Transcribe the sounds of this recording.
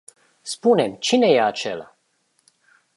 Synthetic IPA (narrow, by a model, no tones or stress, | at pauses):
spune̞mt͡ʃine̞jeat͡ʃe̞̰la̰